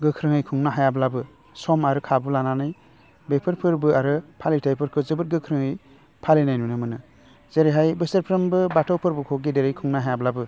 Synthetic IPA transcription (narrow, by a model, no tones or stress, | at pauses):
ɡɯkʰɾɯŋɯjkʰɯŋnaɦajablabɯ | sɔmaɾɯkʰabulananɯj | bepʰɯɾpʰɯɾbɯaɾɯpʰalitʰajpʰɯɾkʰɯzɯbɯt̚ɡɯkʰɾɯŋɯj | pʰalinajnunɯmɯnɯ | z̥eɾeɦajbɯseɾpʰɾɯmbɯbatʰɔwpʰɯɾbɯkʰɔɡedeɾɯjkʰuŋnaɦajablabɯ